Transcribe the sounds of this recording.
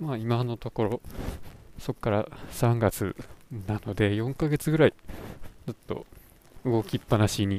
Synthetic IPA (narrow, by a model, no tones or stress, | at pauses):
maimano̞t̪o̞ko̞ɾo̞ | so̞kːaɾasãŋɡat͡sɨ̰nano̞d̪e̞jõ̞ŋkaɡe̞t͡sɨɡɯ̟ɾait͡sɨt̪ːo̞̰ | ɯ̟ɡo̞kʲipːanaɕiɲ̟i